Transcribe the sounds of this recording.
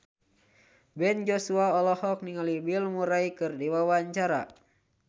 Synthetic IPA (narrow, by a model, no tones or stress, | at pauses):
bɛnd͡ʒosuaɔlɔhɔk̚niŋalibilmuɾaikɨrdiwawaɲt͡ʃaɾa̰